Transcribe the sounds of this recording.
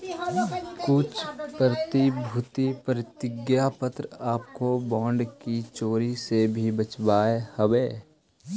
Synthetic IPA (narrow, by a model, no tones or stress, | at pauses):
kʊt͡ʃʰpɾət̪ibʱʊt̪ipɾət̪ɪɡjapət̪ɾaːpkobɔ̃ːɳɖkit͡ʃoːɾisebʱibət͡ʃbaːehəʋeː